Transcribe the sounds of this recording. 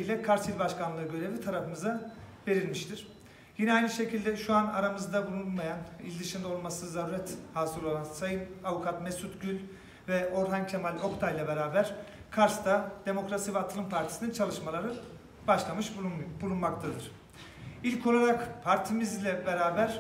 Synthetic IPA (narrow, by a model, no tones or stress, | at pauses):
ijlʲɛkʰaɾsilʲbaʃkʰanˠɯɯɟø̞ɾe̞vit̪ʰaɾafɯmɯzabe̞ɾilʲmiʃt̪ʰiɾ̥ | jinɛajnɯʃe̞cʰilʲd̪ɛʃuana̰ɾamɯzd̪abulˠunmajanḭlʲd̪ɯʃimd̪o̞lˠmasɯzaɾɾɛt̪haːsɯɾo̞lˠansajɯnavukʰat̪mesut̪ɟylʲ | vɛʔo̞ɾɦancʰemalʲo̞kt̪ʰajlˠabe̞ɾaːbæɾ̥ | kʰaɾst̪ad̪̥e̞mo̞kɾasivɛat̪ʰɯlˠɯmpʰaɾt̪ʰi̥sinint͡ʃʰalˠɯʃmalˠaɾɯ | baʃlˠamɯʃbulˠunmak̚t̪ʰad̪ɯɾ̥ | ilʲcʰo̞lˠaɾakpʰaɾt̪ʰimizlʲɛbe̞ɾaːbæɾ̥